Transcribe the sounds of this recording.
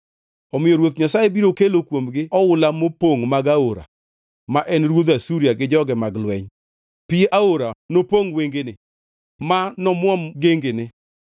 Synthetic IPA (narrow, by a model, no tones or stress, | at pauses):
ɔmɪoɾwot̪ɲasajebiɾokelokwomɡɪʔɔwʊlamopoŋmaɡaoɾa̰ | maʔɛnɾwod̪asuɾijaɡɪd͡ʒɔɡɛmaɡlwɛɲ | pɪʔaoɾanopoŋweŋɡenɪ | manɔmwɔmɡeŋɡenɪ